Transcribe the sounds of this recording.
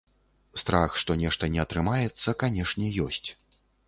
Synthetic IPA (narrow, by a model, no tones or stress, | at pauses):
st̪ɾaxʂt̪ɔnʲɛʂt̪ɐnʲɛɐt̪ɾɨmajɛt̪sːɐkanʲɛʂnʲɛjɔsʲt͡sʲ